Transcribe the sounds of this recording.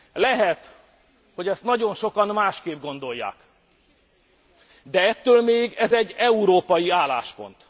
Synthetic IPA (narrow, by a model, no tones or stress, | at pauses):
lɛɦɛt̪ | ho̞ɟɛst̪nɒɟo̞nʃo̞kɒnmaːʃkeːb̚ɡo̞nd̪o̞jːa̰ːk | d̪ɛɛt̪ːøːlmeːɡɛzɛɟːɛuɾoːpɒjiaːlaːʃpo̞̰nt̪